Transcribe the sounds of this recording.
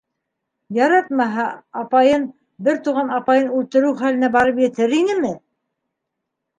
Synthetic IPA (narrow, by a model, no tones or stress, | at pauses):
jɑɾɑt̪mɑɦɑɑpɑjɤn | bɘɾt̪uʁɑnɑpɑjɤnʉlt̪ɘ̆ɾʉwχælɘ̆næbɑɾɤpjɘ̆t̪ɘɾinɘmɘ